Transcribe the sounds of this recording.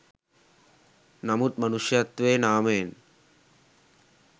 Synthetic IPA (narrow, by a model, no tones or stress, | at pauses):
nɐmut̪̚mɐnuʃjat̪ːʋeːnaːmeːn